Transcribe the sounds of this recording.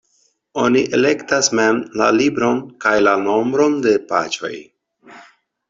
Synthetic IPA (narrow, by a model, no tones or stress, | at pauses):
oniʔe̞le̞ktasme̞mla̰libɾo̞nkajlano̞mbɾo̞nde̞pa̰t͡ʃo̞̰j